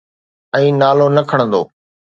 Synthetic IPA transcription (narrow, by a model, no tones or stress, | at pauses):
ɛ̃ːnaːloːnəkʰəɽ̃ə̃nd̪o̰ː